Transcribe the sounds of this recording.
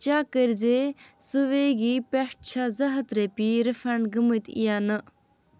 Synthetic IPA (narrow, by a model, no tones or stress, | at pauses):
t͡ʃakəɾzesuʋeɡipeʂʈ̚t͡ʃʰazɐɦət̪ɾepiɾəfɐɳɖɡəmət̪ḭjanɨ